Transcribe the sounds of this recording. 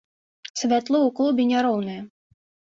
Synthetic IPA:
sʲvʲat̪lˠɔuklˠubʲɪnʲaɾɔwnɨjɐ

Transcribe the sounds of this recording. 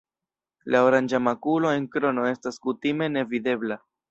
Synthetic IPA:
lao̞ɾand͡ʒamakulo̞e̞ŋkɾo̞no̞e̞staskutime̞ne̞vide̞bla

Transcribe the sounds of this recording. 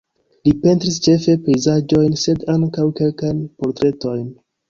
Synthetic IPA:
lipe̞ntɾist͡ʃe̞fe̞pe̞jzad͡ʒo̞jnse̞daŋkawke̞lkajnpo̞ɾtɾe̞to̞jn

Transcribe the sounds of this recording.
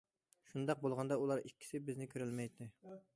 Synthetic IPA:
ʃund̪ɑq̚bolˠʁɑnd̪ɑulˠɑɾikʲːi̥sɪbɪznɪkʲʰøɾylmɛjt̪ʰːɪ

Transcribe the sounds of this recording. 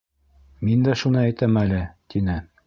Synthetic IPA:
mind̪æʃunɤæjt̪æmælɘt̪inɘ

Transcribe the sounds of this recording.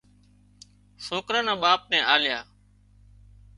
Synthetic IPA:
soːkɾãːnãːɓaːp̚nɛ̃ːʔaːljaː

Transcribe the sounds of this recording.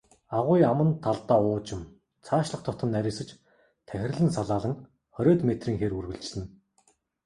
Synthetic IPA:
aʁʊjamə̆nt̪ʰaɮt̪aːʊːt͡ɕɪ̆m | t͡sʰaːʃɮə̆χt̪ʰɔt̪ə̆nːæɾʲiːsɘ̆t͡ɕ | t̪ʰæxʲɪ̆rʲɮɘ̆nsaɮaːɮə̆ŋ | χɔɾʲɔːt̪met̪riːŋxerurɣɘ̆ɮt͡ɕɮɘ̆n

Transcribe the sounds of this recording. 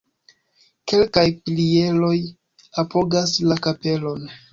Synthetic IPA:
ke̞lkajplie̞lo̞j | apo̞ɡaslakape̞lo̞n

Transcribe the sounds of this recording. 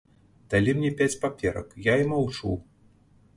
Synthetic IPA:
d̪̥alʲimnʲɛpʲat͡sʲpapʲɛɾɐ̰kjaimawt͡ʂṵw

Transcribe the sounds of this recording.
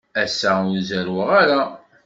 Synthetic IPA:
æsːæʊɾzæɾwəʁaɾa

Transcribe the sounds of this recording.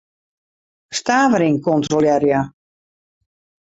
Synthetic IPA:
staːʋəɾinkɔntroljɛrja

